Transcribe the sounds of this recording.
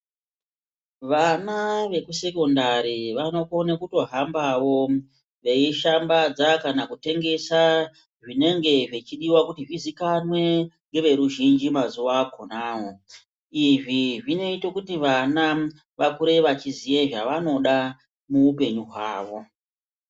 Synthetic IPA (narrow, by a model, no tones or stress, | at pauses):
ʋanaʋe̞kuse̞ko̞ndaɾiʋano̞konekuto̞ɦambaʋo̞ | ʋe̞iʃambad͡zakanakute̞ŋɡe̞sa | ʐine̞ŋɡe̞ʐet͡ʃiɗiwakutiʐizikanwe̞ŋɡe̞ʋe̞ɾuʒind͡ʒimazuʋakonaːɦo | iʐiʐine̞itokutiʋana | ʋakuɾe̞ʋat͡ʃizije̞ʐaʋano̞ɗa | muupe̞ɲuɦwaːʋo̞